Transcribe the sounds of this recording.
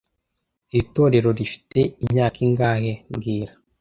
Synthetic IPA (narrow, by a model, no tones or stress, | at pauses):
iβito̞ːɾe̞ɾo̞ɾifi̥te̞imɲaːkʰiŋɡaːhemɡiːɾa